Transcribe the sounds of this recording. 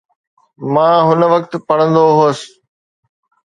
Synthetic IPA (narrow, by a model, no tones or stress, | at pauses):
mãːɦʊnə̆ʋɐkt̪pɐɽə̃nd̪oɦoːs